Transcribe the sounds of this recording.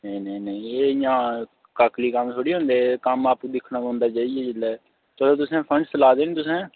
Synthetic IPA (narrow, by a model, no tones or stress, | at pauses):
nəĩnənəĩeːjãː | kaːkliːkəmt̪ʰoːɽiːɦõːnd̪eːkəmaːpud̪ɪkʰːnãːɦõːnd̪aːt͡ʃaːiɛːd͡ʒɪlːɛː | t͡ʃəloːt̪ʊsẽːpʰəɳɖsəlaːd̪eːneːt̪ʊsẽː